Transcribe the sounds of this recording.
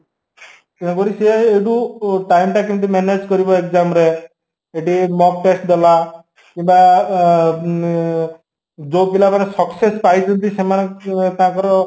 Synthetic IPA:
kɛnɔkɔɾiseːɖuʈajmʈakimt̪imened͡ʒkɔɾibɔekzamɾe | eʈimɔk̚ʈesʈ̚d̪ɔla | kimba | d͡ʒopilamanesɔksespajt͡ʃʰɔnt̪isemanekãkɔɾɔ

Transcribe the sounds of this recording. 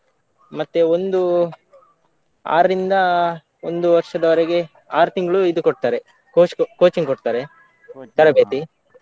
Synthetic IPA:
mɐt̪ːeond̪u | a̰ːɾɐɾind̪ɐ | ond̪uʋɐɾʂɐd̪ɐʋɐɾeɡe̞ | aːɾut̪iŋɡɐɭuid̪ukoʈ̚t̪aːɾe̞ | koːkoːt͡ʃiŋkoʈ̚t̪aːɾe̞ | t̪ɐɾɐbeːt̪i

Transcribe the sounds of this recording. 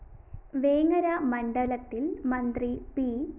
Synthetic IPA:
ʋe̞ːŋɐɾɐmɐɳɖɐlɐt̪ːilmɐnd̪ripi

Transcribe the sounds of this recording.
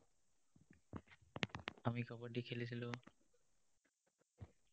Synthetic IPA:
amikɔpaʈikʰelit͡ɕʰilo

